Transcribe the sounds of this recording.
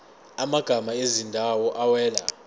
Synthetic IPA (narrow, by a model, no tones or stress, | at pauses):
amaɡ̥ʱamaezindʱawɔʔawɛːla̰